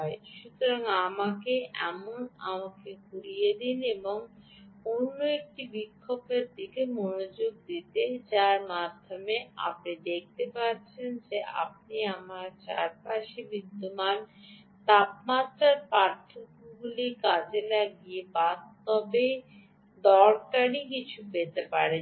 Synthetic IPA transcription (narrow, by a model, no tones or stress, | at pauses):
ɔeʃut̪oɾaŋamakeʔɛ̰mona̰makekuɾijed̪ineboŋ | onːoek̚ʈibikʰːobeɾd̪ikemonod͡ʑoɡ̚d̪it̪ed͡ʑaɾmad̪ʱːomea̰pnid̪ek̚ʰt̪epaɾt͡ɕʰend͡ʑea̰p̚niamaɾt͡ɕa̰ɾpaʃibid̪ːoman | t̪apmat̪ɾaɾpɾaɾt̪ʰokubulikad͡ʑelaɡiebast̪ɔbej | d̪ɔɾkaɾikit͡ɕʰupet̪epaɾe